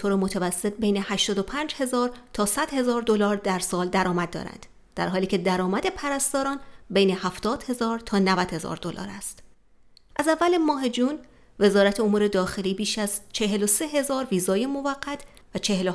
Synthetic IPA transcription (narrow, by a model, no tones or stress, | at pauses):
et̪oːɾemot̪ʰævæsːet̪̚be̞jne̞hæʃt̪ɒːd̪opʰæːnd͡ʒhe̞zɒːɾt̪ʰɒːsæd̪he̞zɒːɾd̪olɒːɾd̪æɾsɒːld̪æɾɒːmæd̪̚d̪ɒ̰ːɾæ̰nd̪̥ | d̪̥æ̰ɾɦɒːliːcʰe̞d̪æɾɒːmæd̪e̞pʰæɾæst̪ɒːɾɒːnbejne̞hæft̪ɒːd̪̥he̞zɒːɾt̪ʰɒːnævæd̪̥he̞zɒ̰ːɾd̪o̞lɒ̰ːɾæst̪ | ʔæzævːælemɒːɦed͡ʒuːn | ve̞zɒːɾæt̪ʰeomuːɾe̞d̪ɒːxe̞liːbiːʃæzt͡ʃʰe̞ɦe̞lo̞se̞ɦe̞zɒːɾviːzɒːjemo̞væɢːæt̪ʰ | væt͡ʃʰe̞helo